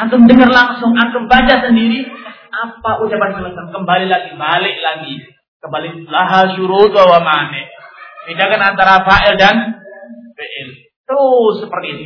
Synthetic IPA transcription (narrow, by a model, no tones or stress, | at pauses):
ʔant̪ʊndəŋərlaŋsʊŋʔant̪ʊŋbat͡ʃasəndiɾiapaʔut͡ʃapansələkaŋkəmbalilaɡibalɪʔlaɡi | kəmbalɪlaɦaʃuɾut̪̚uawamanɛʔpindakanant̪aɾapaʔɛldan | beʔɛl | t̪əɾʊsːəpərt̪iːt̪u